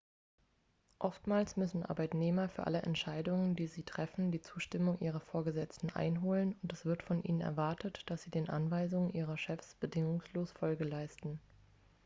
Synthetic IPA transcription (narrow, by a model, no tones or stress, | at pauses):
ʔɔftmaːlsmʏsn̩ʔa̰ɐbaɪtneːmɐfyːɐʔa̰ləʔɛ̰ntʃaɪdʊŋəndiːziːtʁ̥ɛfn̩diːt͡suːʃtɪmʊŋʔiːʁɐfoːɐɡəzɛt͡stn̩ʔa̰ɪnɦoːlənʊntɛsv̥ɪɐtfɔnʔḭːnənɛ̰ɐvaɐtʰətd̥asz̥iːdeːnʔanvaɪzʊŋənʔiːʁ̞ɐʃɛfsb̥ədɪŋʊŋsloːsfɔlɡəlaɪstn̩